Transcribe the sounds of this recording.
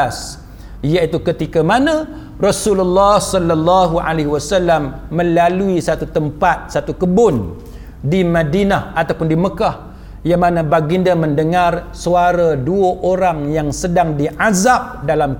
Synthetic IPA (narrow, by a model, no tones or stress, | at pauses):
s | ijait̪ukət̪ikamanã | rɔsululːɑhsɔlːalːɑɦuʔa̰leɦiwasalamːə̃laluisat̪ut̪əmpat̪̚sat̪ukəbʊn | dimãdinahat̪awpʊndiməkah | jaŋmãnãbaɡindamə̃ndəŋar | suaɾaduəʔoɾaŋjaŋsədaŋdiʔazap̚dalam